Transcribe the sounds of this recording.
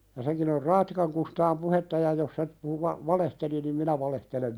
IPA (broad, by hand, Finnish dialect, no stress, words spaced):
jɑ seŋkin or rɑːtːikɑŋ kustɑːm puhetːɑ jɑ jos se puhu ʋɑ ʋɑlehteli nim minæ ʋɑlehtelem